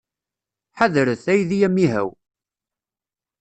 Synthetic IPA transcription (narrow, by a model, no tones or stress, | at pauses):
ħaðɾəθæjðijæmːiɦæ̰w